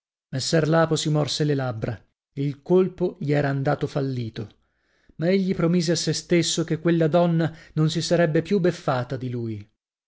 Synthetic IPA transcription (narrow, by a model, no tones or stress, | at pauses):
mesːɛrlaːposimɔrselelabːɾa | eilkolpoʎiɛːɾaːnd̪aːt̪ofalːiːt̪o | maeʎːipɾomiːzeasːest̪esːokekːwelːad̪ɔnːanonsisaɾɛbːepjubːefːaːt̪ad̪iluːj